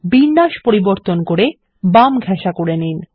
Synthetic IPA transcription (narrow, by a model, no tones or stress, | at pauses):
binːaʃpoɾiboɾt̪onkoɾe | bamɡʱɛʃakoɾenin